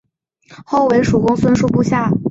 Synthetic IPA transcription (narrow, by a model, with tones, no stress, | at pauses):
xo˥˩ʊwe˧˥ɪʂu˨˩kʊ˥ŋswə˥nʂu˥pu˥˧ɕja˥˩